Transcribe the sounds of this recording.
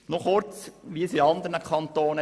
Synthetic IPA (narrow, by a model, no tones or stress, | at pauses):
nɔχʊɾt͡sʋiəsiɑnd̪əɾnəkʰɑnt̪oːnə